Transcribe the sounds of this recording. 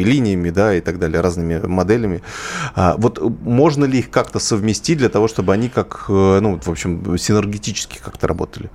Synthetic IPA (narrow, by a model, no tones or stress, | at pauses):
ɪlʲinʲɪjəmʲɪd̪aɪt̪aɡd̪alʲɪjəɾaznɨmʲɪmɐd̪ɛlʲɪmʲɪa̰vo̞t̪mo̞ʐnəlʲɪixkakt̪əsəvmʲɪsʲtʲit̚ʲdlʲət̪ɐvo̞ʂt̪o̞bɨɐnʲikakənuvt̪vo̞pɕːɪmsʲɪnɨrɡʲɪtʲit͡ɕɪ̥skʲɪ̥kakt̪əɾɐbo̞̰t̪əlʲɪ